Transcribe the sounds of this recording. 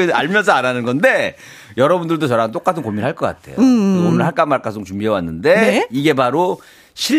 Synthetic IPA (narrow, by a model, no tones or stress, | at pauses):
inaɭmjʌs̬ʰʌananɯnɡʌnde̞ | jʌɾʌbundɯɭdot͡ɕʌɾaŋɯnt͈ok͈atʰɯnkomiɾɭɦaɭk͈ʌk͈a̰tʰe̞̰joomɯɭɦaɭk͈amːaɭk͈asʰoŋt͡ɕumbiewanːɯnde̞niɡe̞paɾo | ɕʰi